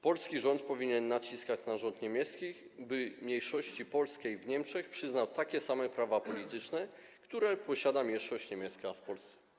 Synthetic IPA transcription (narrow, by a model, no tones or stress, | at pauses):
pɔlskʲiʐɔnt̪̚pɔvʲiɲɛnːat͡ɕiskat͡ɕnaʐɔnt̪ɲɛmʲjɛt̪skʲixbɘmɲejʂɔɕt͡ɕipɔlskʲejvɲɛmʂɛxpʂɘznawt̪akʲɛsamɛpɾavapɔlʲit̪ɘt͡ʂnɛ | kt̪uɾɛpɔɕad̪amʲjɛʂɔɕt͡ɕɲɛmʲɛt̪skafpɔlst̪sɛ̥